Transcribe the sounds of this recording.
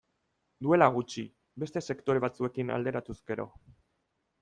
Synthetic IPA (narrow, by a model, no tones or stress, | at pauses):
d̪ue̞laɣ̞ut͡ʃi | be̞st̪e̞se̞kt̪o̞ɾe̞β̞at͡sue̞kina̰ld̪e̞ɾat̪uzɡe̞ɾo̞̰